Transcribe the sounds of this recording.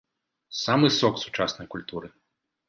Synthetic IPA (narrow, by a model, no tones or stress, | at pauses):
samɨsɔksu̥t͡ʂasnɐjkulʲt̪uɾɨ